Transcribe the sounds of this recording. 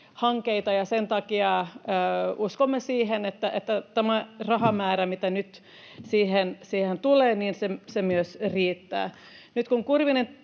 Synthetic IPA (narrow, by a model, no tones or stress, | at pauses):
hɑŋkeit̪ɑjɑsent̪ɑkiɑøːuskomːesiːɦenet̪ːæʔet̪ːæt̪æmærɑhɑmæːɾæmit̪ænyt̪ | siːhensiːhent̪uleːniːnsesemyøsriːt̪ːæ̰ː | nyt̪kuŋkurʋinen